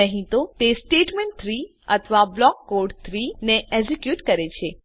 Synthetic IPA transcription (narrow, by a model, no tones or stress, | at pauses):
əɦĩt̪ot̪esʈeʈmẽɳʈ̚t̪ʰɾi | ət̪ʰəʋablɔkːoɾɖt̪ʰɾineʔɛzikjuʈkəɾet͡ʃʰe